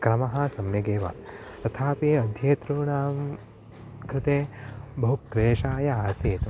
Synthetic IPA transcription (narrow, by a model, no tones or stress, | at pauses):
kɾɐmɐɦɐ̆sɐmjɐɡeːʋa̰ːt̪ɐt̪ʰaːpeːɐd̪ʱjeːt̪ɾuːɳaːm | kɾɪt̪eːbɐɦukkɾeːʃaːjɐaːseːt̪